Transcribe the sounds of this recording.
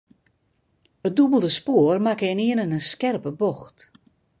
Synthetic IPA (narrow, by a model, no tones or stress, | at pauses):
ət̚dubəlˠdəspoərmakɛnɪənənənskɛrpəbɔxt